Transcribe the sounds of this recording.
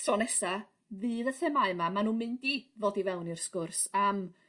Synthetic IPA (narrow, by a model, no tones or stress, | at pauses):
tʰrɔnɛsa | vɨːðəθɛmaɨmamanuːnmɨndivoːdivɛwnirskʊrsam